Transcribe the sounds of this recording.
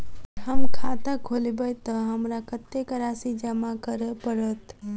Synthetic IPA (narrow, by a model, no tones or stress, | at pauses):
ɦəmkʰat̪əkʰolbəjt̪əɦəmɾakət̪ːekəɾasid͡ʒəmakəɾəpəɾət̪